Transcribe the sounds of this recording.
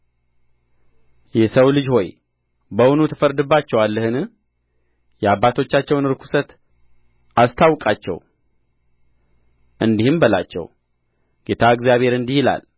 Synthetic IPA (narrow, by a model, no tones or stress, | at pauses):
jɛsəwlɨd͡ʒho̞j | bəwʊnut̪ʰɨfəɾd̪ɨbːat͡ʃːɛwalːəhɨnɨ | jɛabːat̪ʰo̞t͡ʃːat͡ʃːɛwnɨɾkʰu̥sət̪ | ʔast̪ʰawkʼat͡ʃːɛ̰w | ʔɨnd̪ihɨmbəla̰t͡ʃːɛ̰w | ɡ̥e̞t̪ʰaɨɡzjaβhe̞ɾɨnd̪ihila̰l